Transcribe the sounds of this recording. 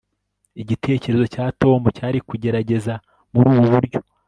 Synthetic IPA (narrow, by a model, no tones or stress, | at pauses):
iɟitʰe̞ːce̞ɾe̞zo̞caːto̞ːmucaːɾikuɟe̞ɾaɟe̞za | muɾuːβuβuɾɟo̞̥